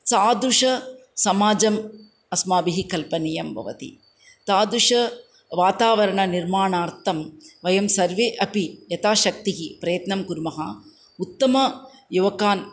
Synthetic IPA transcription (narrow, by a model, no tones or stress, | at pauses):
saːd̪uʂɐsɐmaːd͡ʒɐm | ɐsmaːbiɦikɐlpɐnijɐmbʱɐ̰ʋɐ̰t̪ḭ | t̪aːd̪uʂɐ | ʋaːt̪aːʋɐɾɐɳɐniɾmaːɳaːɾt̪ʰɐmʋɐjɐmsɐɾʋeːʔɐpijɐt̪aːʃɐk̚t̪iɦipɾɐjɐt̪nɐmkuɾmɐɦɐ̰ | ut̪ːɐmɐ | juʋɐkaːn